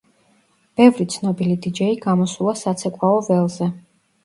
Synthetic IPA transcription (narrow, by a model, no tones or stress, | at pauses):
b̥ɛvɾit̪sʰnɔbilid̪id͡ʒɛiɡamɔsulˠasat̪sʰɛkʼwaɔvɛlˠzɛ